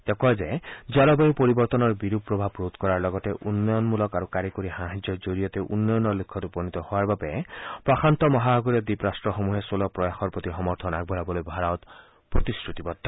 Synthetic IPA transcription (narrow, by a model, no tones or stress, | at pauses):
t̪ekɔd͡ʒed͡ʒalɔbejipɔɾibɔɾt̪ɔnɔɹbiɾupɾɔbʱabɾot̪kɔɾaɹlɔɡɔt̪eʔunːɔjɔnmulɔkaɾukaɾikoɾihãɦad͡ʒɔd͡ʒoɾijɔt̪eʔunːɔjɔnɔlukʰːɔtupɔnit̪ɔhoaɾbabepɾɔxʰant̪ɔmɔɦabʱaɡɔɾiɔd̪ipɾastɹɔxomuɦesolɔpɾɔjaxɔɾpɔt̪ixɔmɔɾt̪ʰɔnaɡ̚bʱɔɾabɔlojbʱaɾawt̪ | pɾɔt̪iskɾut̪ibɔt̪ːɔ